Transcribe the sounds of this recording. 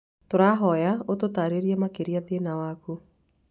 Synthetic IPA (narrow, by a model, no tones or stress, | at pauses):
toɾaɦɔjaototaɾeɾiɛmakeɾiaðenawaku